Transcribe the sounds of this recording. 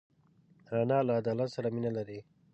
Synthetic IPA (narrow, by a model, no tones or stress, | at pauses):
ɾanɑlaːd̪ɑːlat̪saɾaminalaɾi